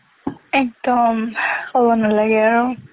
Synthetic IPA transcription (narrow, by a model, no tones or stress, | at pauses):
ɛk̚dɔmxɔbɔnalaɡɛaɹu